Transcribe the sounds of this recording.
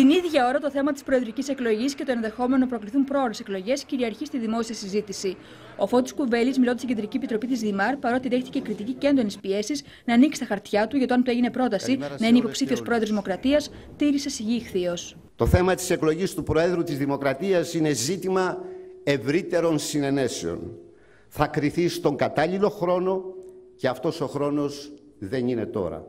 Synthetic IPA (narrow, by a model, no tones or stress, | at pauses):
t̪iniðʝɐo̞ɾɐt̪o̞θe̞mɐt̪ispɾo̞e̞ðɾicise̞klo̞ʝisce̞t̪oe̞nðe̞xo̞me̞no̞pɾo̞kliθumpɾo̞ɾeseklo̞ʝe̞sciɾiɐɾçist̪iðimo̞siɐsizit̪isi | ofo̞st̪i̥skuve̞lizmilo̞nd̪st̪iɟend̪ɾiciepit̪ɾo̞pit̪izðimɐɾpɐɾo̞t̪iðext̪icekɾit̪icice̞nd̪o̞nispie̞siz | nɐːniksi̥st̪ɐxɐɾt̪çɐt̪uʝɐt̪oɐnt̪e̞ʝine̞pɾo̞t̪ɐsinɐineipo̞psifio̞spɾo̞eðɾozðimo̞kɾɐt̪iɐst̪iɾisesiʝixθios | t̪o̞θe̞mɐt̪i̥se̞klo̞ʝist̪upɾo̞e̞ðɾut̪izðimo̞kɾɐt̪iɐsine̞zit̪imɐe̞vɾit̪e̞ɾo̞nsine̞ne̞seo̞̰n | θɐkɾiθist̪o̞ŋɡɐt̪ɐʎilo̞xɾo̞no̞ceɐft̪o̞so̞xɾo̞no̞z | ðe̞nine̞t̪o̞̰ɾɐ̰